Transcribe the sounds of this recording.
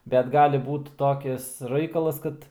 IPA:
bʲɛt ˈɡɑːlʲɪ ˈbuːt ˈtoːkʲɪs ˈrɐɪkɐlˠɐs ˈkɐt

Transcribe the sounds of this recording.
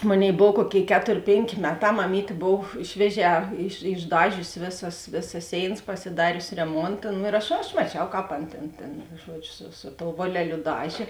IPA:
ˈmoːˌnʲeːɪ ˈboːw ˈkuɔˌkʲeːɪ ˈkʲæːtoːrʲ ˈpʲeːŋʲˌkʲeː ˈmʲæːˌtɑː mɐˈmʲiːtʲeː ˈboːw ˈʃʲʋʲiɛˌʒʲɛː ɪʃ ɪʒˈdɑːʒʲʊsʲɪ ˈʋʲeːˌsɐs ˈʋʲeːˌsɐs ˈsʲeːɪnɐs pɐsʲɪˈdɑːrʲʊsʲɪ rʲɛˈmoːntɐ nʊ ɪr ˈɐʃ ɐʃ mɐˈt͡ʃʲɛʊ ˈkɑːp ˈɐn ˈtʲeːn tʲeːn ˈʒuɔd͡ʒʲʊ sʊ sʊ toːʊ ˈʋoːlʲɛˌlʲʊ ˈdɑːʒʲeː

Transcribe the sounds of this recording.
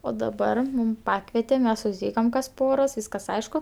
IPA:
oː dɐˈbɐr ˈmuːm ˈpɑːkʋʲɛtʲɛ ˈmʲɛs sʊsʲˈtʲiːkɐm kɐs ˈpoːroːs ˈʋʲiːskɐs ˈɐɪʃkʊ

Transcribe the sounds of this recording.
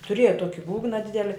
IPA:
tʊˈrʲeːjɛ ˈtuɔkʲɪ ˈbuːɡnɐ ˈdʲɪdʲɛlʲɪ

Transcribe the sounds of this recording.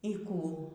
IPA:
iː ˈkuː

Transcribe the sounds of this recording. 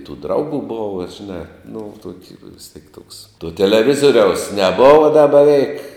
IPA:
tuː ˈdrɐʊɡuː ˈboːʋɐ ʒʲɪˈnɑː nʊ ˈtoːkʲɪ ʋʲɪs tʲiɛk ˈtoːks tuɔ tʲɛlʲɛˈʋʲɪzoːrʲɛʊs nʲɛˈboːʋɐ dɐ bʲɛˈʋʲɛɪk

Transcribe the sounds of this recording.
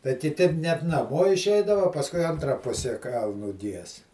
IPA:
tɐɪ kʲɪˈtʲɪ nʲɛt nɐˈmoː ɪʃʲˈɛɪdɐʋɐ oː ˈpɑːskʊɪ ˈɐntrɐ ˈpʊsʲɛ ˈkɐlˠnʊ ˈɡʲiɛs

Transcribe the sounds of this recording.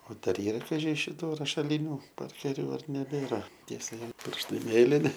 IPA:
oː ˈdɐr ˈiːrɐ kɐˈʒʲɪ ʃʲɪˈtuː rɐʃɐˈlʲiːnʲʊ ˈpɐrʲkʲɛrʲʊ ɐr nʲɛˈbʲeːrɐ ˈtʲiɛ sɐˈʋʲɪ ˈpʲɪrʃtɐɪ ˈmʲeːlʲɪnʲɪ

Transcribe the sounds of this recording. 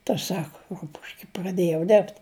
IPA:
tɐ ˈsɑːkɐ ˈrʊpʊʃʲkʲɛ prɐˈdʲeːjɛʊ ˈdʲɛrpt

